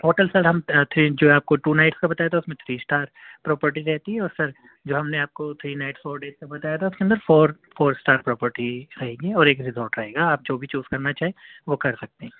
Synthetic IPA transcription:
poːʈəlsɐlɦɐmt̪ʰɾid͡ʒoːaːp̚koʈuːnaːɪʈskabɐt̪aːjat̪ʰaʊsmẽt̪ʰɾiːsʈaːɾpɾɔːpəɾʈiɾɛɦt̪iɦɛ̃ɔːɾsɐɾ | d͡ʒoːɦɐmneaːp̚kot̪ʰɾiːnaɪʈsfoːɾɖeːzkabɐt̪aːjat̪ʰaʊskeɐ̃nd̪əɾfoːɾ | foːɾsʈaːɾpɾɔːpəɾʈiɾɐɦẽːɡiɔːɾeːkɾizɔːʈɾɐɦeːɡaːp̚d͡ʒoːbʱit͡ʃuːz̥kɐɾnat͡ʃaːɦeʋokɐɾsɐk̚t̪eɦɛ̃ː

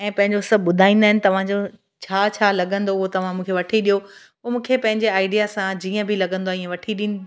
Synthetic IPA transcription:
ɛ̃ːpɐ̃ɦɪ̃ɲd͡ʑosəbɓʊd̪ʱaːĩːnd̪aːɪnɪ̆t̪ɐʋ̤ãd͡ʑo | t͡ɕʰaːt͡ɕʰaːlɐɠə̃nd̪oʊɦot̪ɐʋ̤ãmũːkʰeʋɐʈʰiɗijo | poːmũːkʰepɐ̃ɦɪ̃ɲd͡ʑeaːɪɖijasãd͡ʑiːə̃bʱɪlɐɡə̃nd̪oaiːə̃ʋɐʈʰiɗiːnɪ

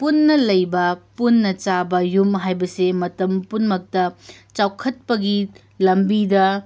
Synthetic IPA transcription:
punːɐlɐjbɐpunːɐt͡ʃabɐjumɦajbɐsemɐtɐmpunmɐk̚tɐt͡ʃawkʰɐt̚pɐɡi | lɐmbidɐ

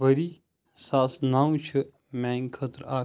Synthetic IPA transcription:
bəɾi | saːsnaːũt͡ʃʰɨ | mɛ̃ːŋkʰət̪ɾaː

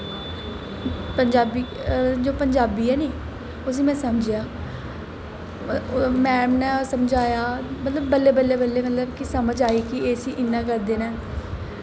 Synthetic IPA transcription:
pəɲd͡ʒaːbiːd͡ʒoːpəɲd͡ʒaːbiːɛːneː | ʊs̬ĩːmɛ̃ːsəmd͡ʒejaː | mɛːmnɛːsəmd͡ʒaːjaːmət̪ləbːəlːeːbəlːeːbəlːeːmət̪ləbkɪsəməd͡ʒaːiːkɪeːsĩːʔɪnːãːk̬əɾd̪eːnɛː

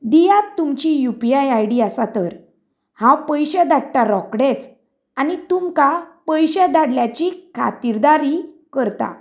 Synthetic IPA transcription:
d̪ijat̪ːumt͡ɕijupiajajɽiasat̪əɾ | hãwpəjɕɛd̪aɽʈaɾɔkɽet͡s | anit̪umkapəjɕɛd̪aɽljat͡ɕikʰa̰t̪iɾd̪aɾi | kəɾt̪a̰

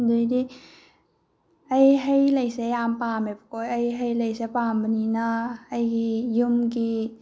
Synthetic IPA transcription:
d̪ud̪i | əjɦejlejsejaːmpaːmepkɔjəjɦejlejsepaːmbəninaəjkijumki

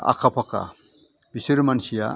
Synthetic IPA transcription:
a̰kʰapʰaka̰ | bisiɾmansija̰

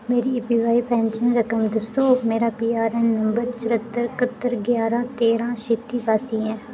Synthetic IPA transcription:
meːɾiːpiːʋaːiːpɛ̃ːnt͡ʃənɾəkəmd̪əsːoːmeːɾaːpiːaːɾɛːnːəmbəɾt͡ʃəɾət̪ːəɾkət̪ːəɾɡjaːɾãːt̪eːɾãːʃɪt̪ːiːpaːsĩːɛ̃ː

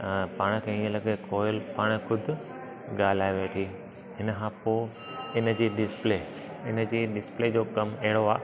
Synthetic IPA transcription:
paːɽ̃kʰɐ̃ɦĩd͡ʑlɐɡekoːɪlpaːɽ̃xʰʊd̪ʱʊ̆ | ɠaːl̤aːeʋeːʈʰi | ɦɪnəkʰãːpoː | ɪnd͡ʑeːɖɪspleː | ɪn̆d͡ʑeːɗɪspled͡ʑoːkɐmɐɦɪɽoaː

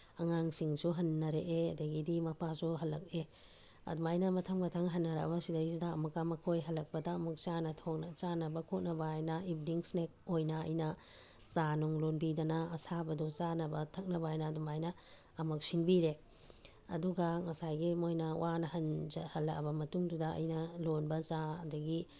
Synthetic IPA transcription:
ɐŋaŋsiŋsuɦɐnːɐɾeʔeɐdɐɡidimɐpʰasuɦɐlːɐk̚e | ɐ̰dumajnɐmɐtʰɐŋmɐtʰɐŋɦɐnːɐɾa̰bɐsidɐjsidaːmɐkamɐkʰojɦɐlːɐk̚pɐdaːmɐk̚t͡ʃanɐtʰok̚nɐt͡ʃanɐbɐkʰot̚nɐbajnɐibniŋsnek̚ojnɐɐ̰jnɐ | zanuŋlonbidɐnɐɐsabɐdut͡ʃanɐbɐtʰɐk̚nɐbaajnɐːdumajnɐː | mɐk̚siŋbiɾe | ɐ̰duɡɐŋɐsajɡimojnɐwanɐhɐnd͡ʒhɐlːɐkɐ̰bɐmɐtuŋdudɐɐ̰jnɐlonbɐzadɐɡi

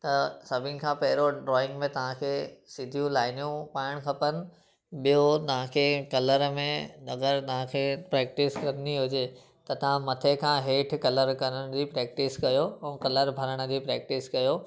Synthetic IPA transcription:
t̪ɐsɐbʱɪnɪ̆kʰãːpɐɦɪɾoɖɾɔːɪ̃ŋɡmẽt̪ɐʋ̤ãkʰeːsɪd̪ʱijũlaːɪnjũpaːɪɽ̃kʰɐpənɪ̆ | ɓijot̪ɐʋ̤ãkʰeːkɐləɾmẽɐɡəɾt̪ɐʋ̤ãkʰeːpɾɛːk̚ʈɪskɐnd̪iɦʊd͡ʑe | t̪ɐt̪ɐʋ̤ãmɐt̪ʰekʰãːɦeːʈʰkɐləɾkɐɾəɽ̃d͡ʑipɾɛːk̚ʈɪskɐjoɛ̃ːkɐləɾbʱɐɾəɽ̃ə̆d͡ʑipɾɛːk̚ʈɪskɐjoː

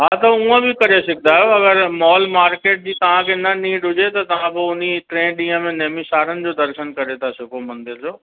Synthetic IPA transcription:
ɦaːt̪ɐũə̃bɪkɐɾesɪɡʱɪnd̪aːɦejoɐɡəɾmɔːlmaːɾkeːʈ̚d͡ʑiːt̪ɐʋ̤ãkʰeːnɐnĩːʈɦʊd͡ʑet̪ɐt̪ɐʋ̤ãbɪʊniʈɾẽːɗĩːɦə̃mẽnɐɦmisaːɾənɪ̆d͡ʑoːd̪ɐɾʃənkɐɾet̪ʰasɪkʰomɐ̃nd̪ɪɾd͡ʑoː

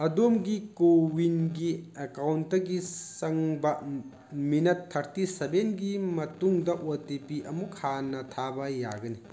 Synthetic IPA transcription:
ɐdomɡikowinɡiekawntːɐɡisɐŋbɐ | minɐtʰːɐɾtisebenɡimɐtuŋdɐʔotepiʔɐmukʰanɐtʰabɐja̰ɡɐni

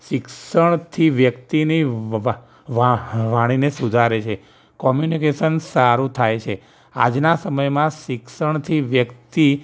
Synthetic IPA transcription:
ʃɪksəɳ̃t̪ʰiʋjəkt̪ini | ʋaʋaɽ̃inesud̪ʱaɾet͡ʃʰe | kɔmjunikeʃənsaɾũt̪ʰajt͡ʃʰe | a̰d͡ʒnasəməjmãʃɪkʃəɳ̃t̪ʰiʋjəkt̪i

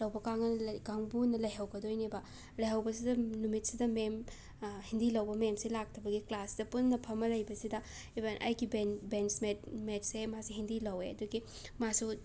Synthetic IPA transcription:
lɐwbɐkaŋɐnɐlɡaŋbunɐlɐjɦɐwɡɐdojnibɐ | lɐjɦɐwbɐsidɐnumit̚sidɐmem | hindilɐwbɐmemselak̚tʰɐbɐɡiklasdɐpunnːɐpʰɐmɐlɐjbɐsidɐ | ibenʔɐ̰jɡibenbensmetmet̚semasuɦindilɐweɐduɡi | masu

